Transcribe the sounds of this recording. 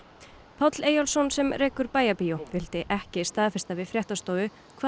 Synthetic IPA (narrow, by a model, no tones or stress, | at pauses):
pʰawt̪leːjɔlsɔnsɛmreːkʏɾpaːjapijovɪlt̪ɪʔɛhcɪst̪aːðfɪ̥r̥st̪avɪðfɾjɛht̪ast̪oːwʏ | kʰva